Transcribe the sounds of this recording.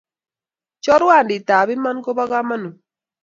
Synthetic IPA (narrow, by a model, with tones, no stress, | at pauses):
t͡ʃɔ˦ɾwa˦˨ndɪ˨ta˨bɪ˦ma˦nko˦ba˦ɡa˦ma˦no˨